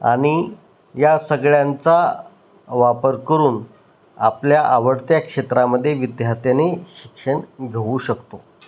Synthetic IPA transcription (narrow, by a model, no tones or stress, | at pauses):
a̰ɽ̃i | jasəɡɭjant͡sa | ʋapəɾkəɾuːn | a̰pljaʔaʋəɽt̪jakʂet̪ɾaməd̪ʱːjeʋid̪jaɦt̪janeɕikʂəɳɡʱeʋuːɕəkt̪o